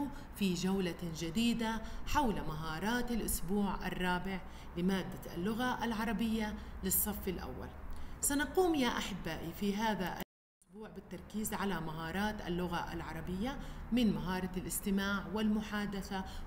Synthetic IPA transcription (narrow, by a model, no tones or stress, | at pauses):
fid͡ʒawlad͡ʒad̪iːd̪aħawlmaɦɑːɾˤɑːt̪alʔʊsbuːʕʔa̰rˤːɑːbɪʕ | lɪmaːd̪ːaʔa̰lːʊɣaʔalʕɑɾˤɑbɪjːalɪsˤːɑfːalʔa̰wːa̰lsanaquːmjaːʔaħɪbːaːʔifiɦaːðaʔa̰lʔʔʊsbuːʕbɪt̪ːɑɾˤkiːzʕalamaɦɑːɾˤɑːt̪ʔa̰lːʊɣaʔa̰lʕɑɾˤɑbɪjːamɪnmaɦɑːɾˤɑlʔɪst̪ɪmaːʕwɪlmʊħaːd̪aθa